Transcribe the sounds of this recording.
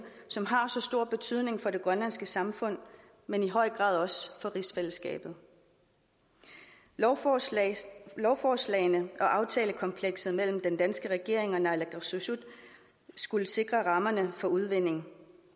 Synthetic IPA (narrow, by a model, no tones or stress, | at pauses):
sɒ̽mɦɑ̈sɒ̽sd̥o̝ɐ̰b̥e̝t͡sʰyð̰ˠne̝ŋfɒ̽de̝ɡ̥ʁɶnlæn̰sɡ̥əsɑ̈mfɔ̽n̰ | meniɦɒ̽ɪ̰ɡ̥ʁɑ̰̈ːðˠɒ̽sfɒ̽ʁisfel̰əsɡ̥ɛ̰ːb̥ð̩ˠ | lɒʊfɒːslɛ̰ɪnəʔɒ̽ʔɑ̈ʊt͡sʰɛːləkʰɒ̽mpʰleɡ̥sð̩ˠmel̰m̩d̥end̥ænsɡ̥əʁɛɡ̥e̝ɐ̰e̝ŋɒ̽nælæɡ̥susud̥ | sɡ̥uləse̝ɡ̥ʁɐʁɑ̈mɐnəfɒ̽uð̞ˠʋe̝n̰e̝ŋ